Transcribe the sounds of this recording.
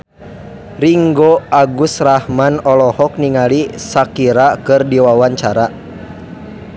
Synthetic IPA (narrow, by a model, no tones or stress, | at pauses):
riŋɡɔaɡusrahmanɔlɔhɔk̚niŋalisakiɾakɨrdiwawaɲt͡ʃaɾa